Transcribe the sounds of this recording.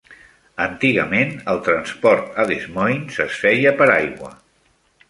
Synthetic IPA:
ənt̪iɣəmenəlˠt̪ɾənspɔɾt̪aðezmɔjnsəsfɛjəpəɾajɣwə̰

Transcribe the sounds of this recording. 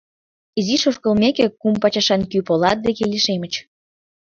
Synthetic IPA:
iziʃoʃkə̆lmekekumpɑt͡ɕɑʃɑnkypolɑt̪̚d̪ekeliʃemət͡ɕ

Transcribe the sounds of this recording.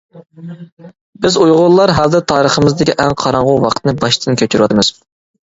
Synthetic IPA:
bɪzujʁʊlˠlːˠɑɾɦɑlˠd̪ɛt̪ʰɑːɾəχəmɨzd̪ɪkʲiʔɛŋqʰɑɾɑɴʁʊwɑqʰt̪nɨbɑʃt̪ʰɨnkʲʰøt͡ʃʰyɾwɑt̪ɨmɨz̥

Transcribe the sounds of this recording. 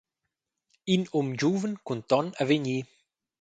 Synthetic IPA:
inumd͡ʒuvənkunt̪ɔnəveɲi

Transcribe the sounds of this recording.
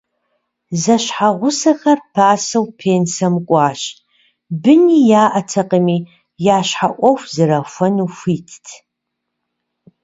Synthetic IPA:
zɐɕħaʁʷʊsɐxɐrpʰaːsɐwpʰeːnsɐmkʷʼɑːɕ | bɨniːjaːʔɐtʰɐqʼəmiː | jaːɕħaʔʷɔxʷzɨɾɐfʷɐnuːfʷiːtʰtʰ

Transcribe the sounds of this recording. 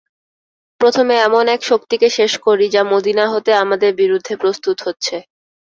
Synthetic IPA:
pɾot̪ʰomeɛmonɛkʃokt̪ikeʃeʃkoɾid͡ʑamod̪inaɦot̪eamad̪eɾbiɾud̪ʱːepɾost̪ut̪ɦotːɕʰe

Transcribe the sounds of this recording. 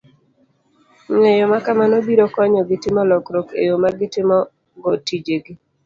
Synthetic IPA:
ɲɛjɔmakamanobiɾokɔɲɔɡɪtɪmɔlɔkɾɔkḛjomaɡɪtɪmɔ | ɡotid͡ʒeɡi

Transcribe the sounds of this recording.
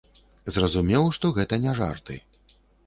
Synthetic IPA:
zrɐzumʲɛwʂt̪ɔɣɛt̪ɐnʲaʐa̰rt̪ɨ̰

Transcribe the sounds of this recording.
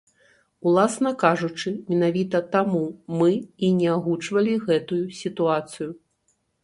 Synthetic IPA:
ulˠasn̪ɐkaʐut͡ʂɨmʲɛnavʲit̪ɐt̪amumɨinʲɛaɣut͡ʂvɐlʲiɣɛt̪ujusʲit̪uat̪sɨju

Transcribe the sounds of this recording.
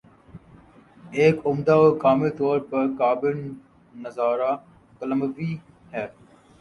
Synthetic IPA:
eːkʊmd̪aːoːkaːmiːt̪oːɾpɐɾkaːbɪnː | əzaːɾa | kələməʋi | ɦɛː

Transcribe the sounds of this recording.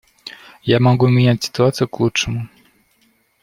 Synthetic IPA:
jamɔɡwɛmʲiɲat͡ɕʲsɨ̥t̪uat̪sʲjɛklutʂɛmu

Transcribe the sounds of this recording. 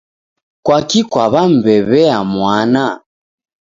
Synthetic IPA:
kwakikwaβam̩bɛβɛamwana

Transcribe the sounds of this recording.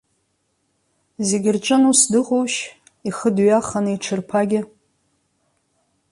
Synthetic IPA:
zeɡʲɪrʈ͡ʂʷʼɨnusdɨʁowʃ | iχədɥaχaniʈ͡ʂʰɨrpʰaɡʲɪ

